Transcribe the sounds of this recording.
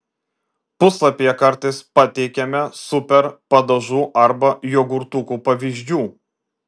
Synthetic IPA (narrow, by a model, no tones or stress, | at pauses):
pʊslˠɐpʲijɛkɐɾt̪ɐɪspɐt̪ʲɛɪkʲɛmʲɛsʊpʲɛɾpɐd̪ɐʒuːʔɐɾbɐjoːɡʊɾt̪uːkuːpɐʋʲiːʒʲd͡ʒʲuː